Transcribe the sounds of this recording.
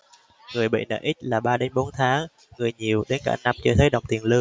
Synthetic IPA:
ŋɨ˨˩əjɓḭ˧˨nə̰ː˧˨ʔi˦˥t̟̚laː˨˩ɓaː˧ɗe˨˦nɓo˨˦nt̪ʰaː˨˦ŋ | ŋɨ˨˩əjɲi˨˩əwɗe˨˦nkaː˧˩na˧mt͡ɕɔ˧t̪ʰə˨˦ɗə˨˩wŋ͡mt̪i˨˩ənlɨ˧

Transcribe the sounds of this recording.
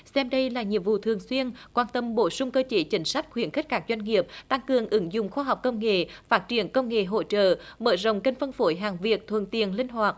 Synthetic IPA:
sɛ˧mɗə˧jlaː˨˩ɲḭ˨˩əwvṵ˧˨t̪ʰɨ˨˩əŋswi˧ənkwaː˧nt̪ə˧˩mɓo˧˩˦sʊ˧ŋ͡mkəː˧t͡ɕe˨˦t͡ɕï˨˦ŋ̟sa˦˥jk̟̚xwi˨˧˦ənxi˦˥k̟̚kaː˦˥k̚zwa˧jŋ̟ŋi˨˩əp̚t̪a˧ŋkɨ˨˩əŋʔɨ˨˦ŋzʊ̰˧˨ŋ͡mxwaː˧ɦa˨˩wk͡p̚kə˧wŋ͡mŋḛ˧˨faː˦˥t̚t͡ɕi˧˩ənkə˧wŋ͡mŋḛ˧˨ɦo̰˧˥t͡ɕə̰ː˧˨mə̰ː˧˩zə̰˧˨wŋ͡mkə˧ŋ̟fə˧nfo˨˦jɦaː˨˩ŋvi˨˩ək̚t̪ʰwə̰˧˨nt̪i˨˩ənlï˧ŋ̟ɦwaː˨˩t̚

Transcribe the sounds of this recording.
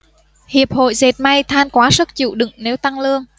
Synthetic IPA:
hi˨˩əp̚ho̰˧˨jze˨˩t̚ma˧jt̪ʰaː˧nkwaː˨˦sə˦˥t̚t͡ɕḭ˧˨wɗɨ̰˧˨ŋne˨˦wt̪a˧ŋlɨ˧əŋ

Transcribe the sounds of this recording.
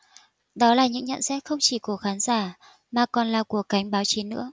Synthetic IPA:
ɗɔ˨˦laː˨˩ɲɨ̰˧˥ŋɲə̰˧˨nsɛ˦˥t̚xə˧wŋ͡mt͡ɕi˧˩ku˧˩əkxaː˨˦nzaː˧˩ | maː˨˩kɔ˨˩nlaː˨˩ku˧˩əkːa˨˦jŋ̟ɓaː˨˦wt͡ɕi˨˦nɨ̰˧˥ə

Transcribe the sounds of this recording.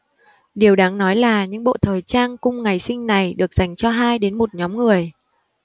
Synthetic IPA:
ɗi˨˩əwɗaː˨˦ŋnɔ˨˦jlaː˨˩ɲɨ̰˧˥ŋɓo̰˧˨t̪ʰəː˨˩jt͡ɕaː˧ŋkʊ˧ŋ͡mŋa˨˩jsï˧ŋ̟na˨˩jɗɨ˨˩ək̚z̥a˨˩jŋ̟t͡ɕɔ˧ɦaː˧jɗe˨˦nmo˨˩t̚ɲɔ˨˦mŋɨ˨˩əj

